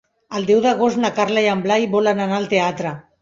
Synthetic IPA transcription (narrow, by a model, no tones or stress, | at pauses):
əlˠd̪ɛwðəɣ̞ost̪nakaɾlajamblajiβɔlananaːlt̪eat̪ɾə